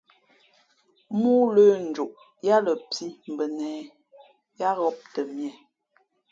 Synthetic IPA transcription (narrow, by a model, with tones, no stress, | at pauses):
mu˦ləː˦n̩˨d͡ʒu˨ʔ | ja˦lə˨pʰi˦m̩˨bə˨nɛː˨ | ja˦ɣɔ˦p̚tə˨mjɛ˨